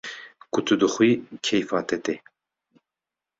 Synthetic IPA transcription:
kʊt̪ʰɨd̪ɨxwiːkʰɛjfɑːt̪ʰɛt̪e

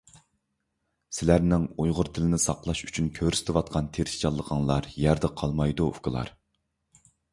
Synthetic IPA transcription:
sɪlæɾnɪŋojʁʊɾt̪ʰɪlɪnɪsɑqlˠɑʃy̥t͡ʃʰynkʲʰøɾysɪ̥t̪ʰwɑt̪̚qʰɑnt̪ʰeɾɪʃt͡ʃɑlˠːəqʰɑŋlˠɑɾjæɾd̪ɛqʰɑlˠmɑjd̪uṵfkəlˠɑ̰ɾ

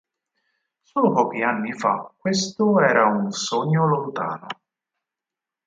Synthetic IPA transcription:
soːlopɔːk̟ianːifa̰kːwest̪oɛːɾaunsoɲːolont̪a̰ːno̰

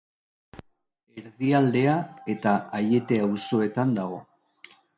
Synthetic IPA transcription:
e̞ɾðiald̪e̞ae̞t̪aaje̞t̪e̞awso̞e̞t̪and̪aɣo̞

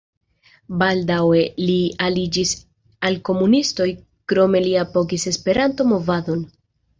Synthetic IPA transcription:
baldawe̞lialid͡ʒis | alko̞munisto̞j | kɾo̞me̞liapo̞kise̞spe̞ɾanto̞mo̞vado̞n

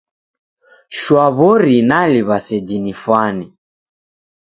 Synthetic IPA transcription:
ʃwaβɔɾinaliβasɛd͡ʒinifwani

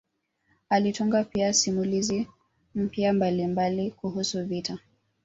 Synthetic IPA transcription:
alituŋɡapiasimulizi | m̩pjambalimbalikuɦusuvitʰa

